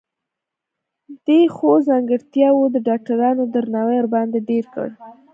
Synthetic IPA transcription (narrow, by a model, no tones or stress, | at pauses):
d̪̥exozɑŋɡəɾt̪jɑwod̪əɖɑk̚ʈaɾɑnod̪əɾnɑwejɾbɑnd̪eɖeɾkə̰ɽ